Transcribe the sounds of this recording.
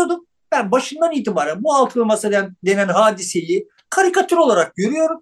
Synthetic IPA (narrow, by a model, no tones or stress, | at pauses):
od̪um | bænbaʃɯnd̪aniːt̪ʰibaːɾænbualˠt̪ʰɯlˠmasɯd̪ænd̪e̞nænɦaːd̪ise̞ji | kʰaɾikat̪ʰyɾo̞lˠaɾak̚ɟø̞ɾyjo̞ɾum